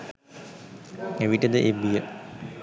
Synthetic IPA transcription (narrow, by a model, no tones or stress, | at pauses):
eʋiʈəd̪əʔebijə